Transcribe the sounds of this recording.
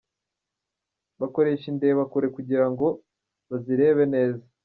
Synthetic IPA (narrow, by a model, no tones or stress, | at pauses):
βako̞ɾe̞ːʃindeβakoɾe̞kuɟiɾaŋɡo̞ | βaziɾe̞ːβe̞ne̞ːza